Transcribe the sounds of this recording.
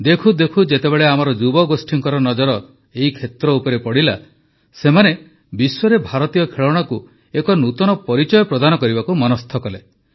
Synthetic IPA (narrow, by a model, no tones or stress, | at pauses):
d̪ekʰud̪ekʰud͡ʒet̪ebeɭeamɔɾɔd͡ʒubɔɡosʈʰiŋkɔɾɔnɔd͡ʒɔɾɔ | eɦikʰet̪ɾɔupɔɾepɔɽila | semane | biswɔɾebʱaɾɔt̪ijɔkʰeɭɔɽ̃ɔku | ekɔnut̪ɔnɔpɔɾit͡ʃɔjɔpɾɔd̪anɔkɔɾibakumɔnɔst̪ʰɔkɔle